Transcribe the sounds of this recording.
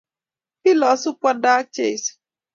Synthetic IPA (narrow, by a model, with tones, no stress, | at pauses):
pi˦lɔ˨sʊ˦pʷa˦da˦k̚t͡ʃe˦˨s